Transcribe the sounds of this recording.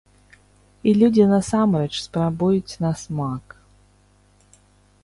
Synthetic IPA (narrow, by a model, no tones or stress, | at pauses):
ilʲud͡zʲinɐsamɾɛt͡ʃspɾabujʊt͡sʲnɐsmak